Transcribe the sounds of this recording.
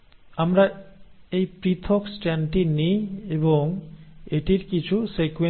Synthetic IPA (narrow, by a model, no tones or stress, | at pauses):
amɾaejpɾit̪ʰɔksʈɛnʈinieboŋeʈiɾkit͡ɕʰusekwe